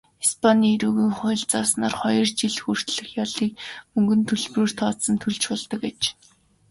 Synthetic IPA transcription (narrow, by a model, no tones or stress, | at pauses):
ispʰaniːɾuːɣiːŋχʊ̆ːɮt͡saːsnaːrχɔjɞ̆rt͡ɕiɮxur̥t̪ɮɘ̆xjaɮiːk̚mɵŋɡɵ̆nt̪ʰɵɮproːr̥t̪ʰɔːsə̆nt̪ʰɵɮt͡ɕʊːɮt̪ə̆ket͡ɕ